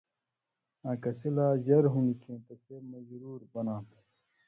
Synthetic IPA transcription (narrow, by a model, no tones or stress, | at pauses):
ãːkɐsilaːʑɐɾɦunikʰẽːt̪ɐsemɐzɾuːɾbɐnãː